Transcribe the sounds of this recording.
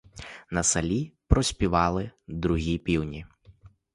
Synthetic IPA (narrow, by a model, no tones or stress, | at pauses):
nɐsɐlʲipɾɔsʲpʲiʋɑlˠɪd̪ɾʊɦʲipʲiwnʲi